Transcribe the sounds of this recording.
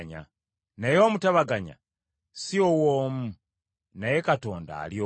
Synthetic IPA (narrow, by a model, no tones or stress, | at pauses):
ɲa̰ | najo̞ːmutaβaɡaɲa̰ | siowoːmu | naje̞kato̞ːnda̰ːljo